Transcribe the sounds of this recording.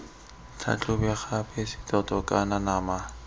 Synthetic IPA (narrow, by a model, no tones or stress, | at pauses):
t͡ɬʰa̰t͡ɬʰʊbɛχabɛsɪ̥tʼɔtʼɔkʼananama